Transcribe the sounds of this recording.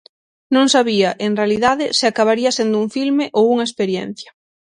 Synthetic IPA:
nõŋsaβiɐʔeŋrealiðaðɪsɪakaβaɾiɐsend̪ʊuŋfilmeʔowuŋɐespeɾjen̟θjɐ

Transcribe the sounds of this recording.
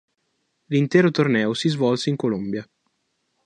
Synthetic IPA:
lint̪ɛːɾot̪ornɛːosizvɔlseiŋkolombja

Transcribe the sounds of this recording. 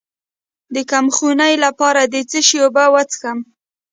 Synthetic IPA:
d̪əkamxunajlapɑɾad̪ət͡səʃjobawat͡sxam

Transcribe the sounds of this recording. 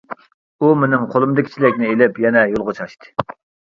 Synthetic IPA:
umɪnɪŋqʰolˠɨmd̪ɨɪkʲʰi̥t͡ʃʰilɪkʲnɪelɪpjɛnɛjolˠʁot͡ʃʰɑʃt̪ɨ̥

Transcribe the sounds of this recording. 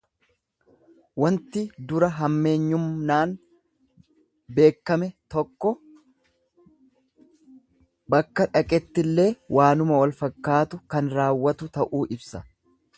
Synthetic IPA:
wɐnt̪ɪd̪ʊɾɐɦɐmːe̞ːɲːʊmnaːn | be̞ːkːɐmɛt̪ɔkːɔ | bɐkːɐᶑɐkʼɛt̪ːɪlːe̞ːwʔaːnʊmɐwɐlfɐkːaːt̪ʊkɐnɾaːwːɐt̪ʊt̪ɐʔuːʔɪbsɐ

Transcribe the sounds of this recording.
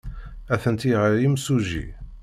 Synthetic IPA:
æθənt̪iʁaɾimsuʒḭ

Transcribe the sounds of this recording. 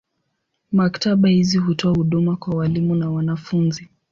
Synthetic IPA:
maktaɓahizihutɔahuɗumakwawalimunawanafunzi

